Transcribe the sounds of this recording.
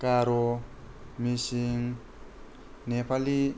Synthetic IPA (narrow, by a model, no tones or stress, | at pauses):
kaɾo | misiŋ | nepali